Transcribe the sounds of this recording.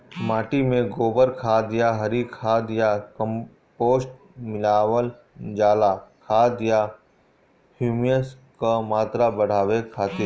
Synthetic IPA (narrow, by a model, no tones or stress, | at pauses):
maːʈimẽɡoːbəɾkʰaːd̪jaɦɐɾikʰaːd̪jakə̃m | poːsʈ̚ | mɪlaːwəl | d͡ʒaːlakʰaːd̪ja | hjuːmijəs | kamaːt̪ɾabəɽ̤aːwekʰaːt̪ɪɾ